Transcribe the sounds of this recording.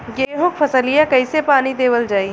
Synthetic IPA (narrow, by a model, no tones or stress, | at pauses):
ɡeːɦʊ̃k̚pʰɐsəlijakɐisepaːnid̪eːʋəld͡ʒaːi